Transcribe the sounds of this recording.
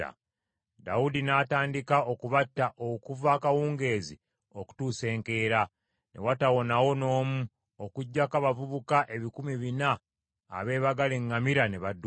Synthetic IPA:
a̰ | da̰wudinataːndikao̞kuβatːaʔokuvakawuːŋɡe̞ːzi | oku̥tuːse̞ːŋke̞ːɾa | nʔḛwatawo̞nawo̞no̞ːmu | okuɟːakaβavuβukaʔe̞βikumiβinaː | βe̞ːβaɡaleŋːamiɾane̞βad

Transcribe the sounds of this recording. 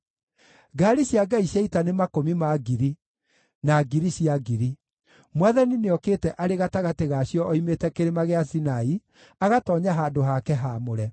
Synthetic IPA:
ɡaːɾiɕjaɡaiɕjɛitanemakomimaɡiɾi | naɡiɾiɕjaɡiɾi | mwaðanineɔkeːtɛʔaɾeɣataɣateɣaːɕjɔːimetɛkeɾemaɣeasinai | aɣatɔːɲaɦaːndoɦakɛɦamoɾɛ

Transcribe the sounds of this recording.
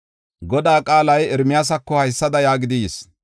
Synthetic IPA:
ɡɔd̪aːkʼaːlɐjɛɾmɪjaːs̬ɐkːɔhɐjsːɐd̪ɐjaːɡɪd̪ɪjs

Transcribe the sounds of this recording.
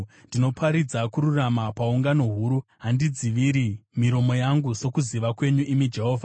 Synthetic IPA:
ndino̞pʰaɾid͡zakuɾuramapauŋɡano̞ɦuːɾuɦandid͡ziʋiɾimiɾo̞mo̞jaŋɡuso̞kuziʋakwe̞ɲuʔimid͡ʒe̞ɦo̞ːvʱa

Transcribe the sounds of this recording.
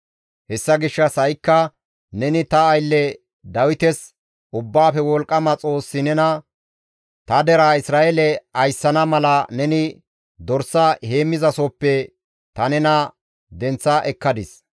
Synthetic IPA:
hɛsːɐɡɪʃːɐsɐjkːɐ | nɛnɪt̪ɐːjlːɛ | d̪ɐwɪt̪ɛs | ʔʊbːaːfɛwɔlkʼːɐmɐt͡sʼo̞ːsːɪnɛnɐ | t̪ɐd̪ɛɾaːɪsɾaːʔelɛɐjsːɐnɐmɐlɐnɛnɪ | d̪ɔɾsɐhe̞ːmːɪzɐsopːɛ | t̪ɐnɛnɐ | d̪ɛnt͡sːɐʔɛkːɐd̪ɪs

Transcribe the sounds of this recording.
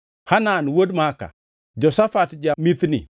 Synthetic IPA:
hananwodmaka̰ | d͡ʒɔsafatd͡ʒamiθnḭ

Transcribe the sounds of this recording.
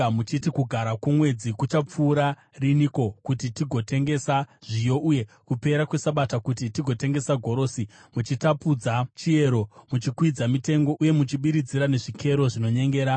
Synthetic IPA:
mut͡ʃitikuɡʱaɾakumwe̞d͡zikut͡ʃap͡fuːɾa | riniko̞kutitiɡʱo̞te̞ŋɡe̞saʐ̥ijo̞ʔuje̞ | kupe̞ɾakwe̞saɓatakutitiɡʱo̞te̞ŋɡe̞saɡʱo̞ɾo̞simut͡ʃitapud͡zat͡ʃie̞ɾo̞mut͡ʃikwid͡zamite̞ŋɡo̞ʔuje̞mut͡ʃiɓiɾid͡ziɾane̞ʐikʰe̞ɾo̞ʐino̞ɲe̞ŋɡe̞ːɾa

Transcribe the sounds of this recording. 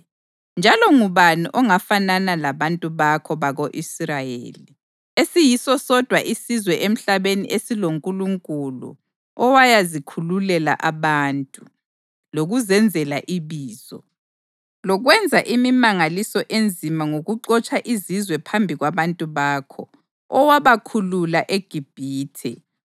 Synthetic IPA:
nd͡ʒʱalɔŋuβaniʔɔŋafananalaβantʼuβakʰɔβaɣoʔisrajḛːli | esijisɔsɔd̥ʱwaʔisizwɛʔem̩ɬaβenḭʔesiloŋkʼuluŋkʼulṵ | ɔwajazikʰululɛla̰ʔaβantʼu | loɣuzɛnd͡zʱɛlaʔiβiːz̥ɔ | lɔɣwɛnd͡zʱaʔimimaŋalisɔʔend͡zʱimaŋoɣuǃɔt͡ʃʼaʔizizwɛpʰambʱiɣwaβantʼuβaːkʰɔ̰ | ɔwaβakʰululaʔeɡ̥ʱib̥ʱiːtʰɛ

